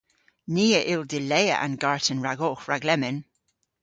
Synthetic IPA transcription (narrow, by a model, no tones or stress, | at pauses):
niːəʔɪlˠdɪleɪə̰ʔə̰̃nɡaɹtənɹaɡɔːxɹaɡlɛmɪn